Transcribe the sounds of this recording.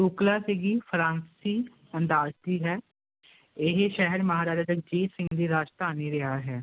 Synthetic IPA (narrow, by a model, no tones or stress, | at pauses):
uːklaːseːɡiːpʰɾãːnssiː | ənd̪aːst̪iːɦɛː | ɪɦʃɛɦəɾməɦaːɾaːd͡ʒaːd͡ʒək̚d͡ʒiːsɪ̃ŋɡd̪iːɾaːd͡ʒt̪aːniːɾɪɦaːɦɛː